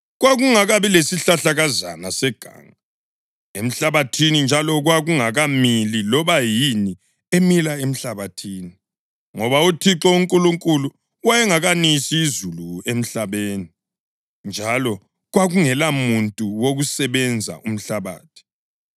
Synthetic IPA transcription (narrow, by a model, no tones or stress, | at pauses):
ɣwaɣuŋaɣaβilesiɬaɬaɣaza̰nasɛɡ̥ʱa̰ːŋa | em̩ɬaβatʰinind͡ʒʱalɔɣwaɣuŋaɣamililɔβajini | emilaem̩ɬaβatʰiːni | ŋɔβautʰiǁɔuŋkʼuluŋkʼulu | wajɛŋaɣanisiːzuluem̩ɬaβeːni | nd͡ʒʱalɔ | ɣwaɣuŋɛlamuntʼuwoɣusɛβɛnd͡zʱa̰ʔum̩ɬaβa̰ːtʰi̥